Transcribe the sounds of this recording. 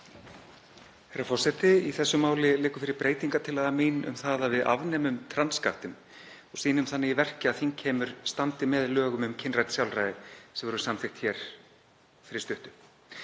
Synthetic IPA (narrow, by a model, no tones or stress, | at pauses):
hɛɾːafɔr̥sɛht̪ɪiθɛsːʏmaːwlɪleːkʏ̥fɪɾɪɾpɾeːjt̪iŋkat̪ʰɪlaðamiːnʏ̰mθaðavɪða̰vnɛːmʏmt̪ʰɾanskaht̪ɪm | ɔsiːnʏmθanːɪivɛr̥cɪaðθiŋcʰɛːmʏɾ̥st̪ant̪ɪmɛðlœːɣʏmʏmcʰɪnrat̪sjawlrajðɪsɛmvʏɾʏ̥samθɪxt̪çɛɾ̥ | fɪɾɪst̪ʏht̪ʏ